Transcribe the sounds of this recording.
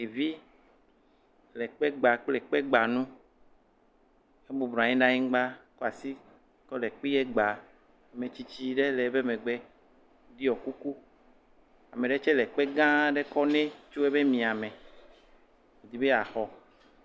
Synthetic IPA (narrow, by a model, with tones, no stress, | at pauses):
e˨vi˦ | lɛ˨k͡pɛ˦ɡ͡ba˨k͡plɛ˨k͡pɛ˦ɡ͡ba˨nũ˦ | e˦bu˨bɾa˨ɲĩ˦ɖã˦ɲĩ˦ɡ͡ba˦ko˦a˨si˦ | kɔ˦lɛ˨k͡pi˦jɛ˦ɡ͡ba˨ | me˨t͡ʃi˦t͡ʃi˦ɖe˦lɛ˨˦be˦me˨ɡ͡bɛ˦ | ɖi˦ɔ˨ku˦ku˦ | a˨me˨ɖe˦t͡ʃɛ˦lɛ˨k͡pe˦ɡã˦ɖe˦kɔ˦nẽ˦t͡ʃo˦e˦be˦mĩ˨a˨mẽ˨ | e˨d̪i˨be˦a˨xɔ˨